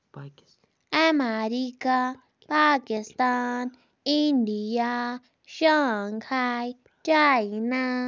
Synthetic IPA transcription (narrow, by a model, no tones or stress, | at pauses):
amaɾika | pakist̪an | ĩnd̪ija | ʃaŋkʰaj | t͡ʃajna